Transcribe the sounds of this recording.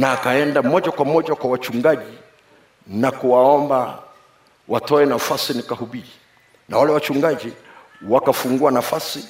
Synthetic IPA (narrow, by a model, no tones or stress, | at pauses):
naːkaɛndamɔʄakwamɔʄakwawat͡ʃuŋɡaʄi | nakuwaɔmba | watɔɛnafasinikahuɓii | nawalɛwat͡ʃuŋɡaʄi | wakafuŋɡuanafasi